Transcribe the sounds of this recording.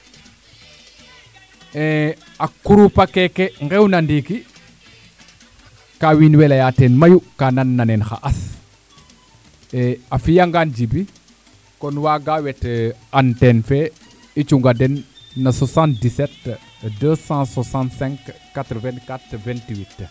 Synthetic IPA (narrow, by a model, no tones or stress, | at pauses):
ɛ̃ | ɐkːuɾupakɛkeŋɡɛwnɐndiki | kawinwɛlɐjatɛnmɐjukananːɐnɛnxa̰ʔɐs | ɛɐfijaŋɡand͡ʒibi | kɔnwaːɡawɛtantɛnfɛ | it͡ʃuŋɡadɛnːɐsɔsãnt̚disɛt | dəsãsɔsãntsɛ̃ŋkː | atɾvɛ̃nkatvɛ̃ntiwit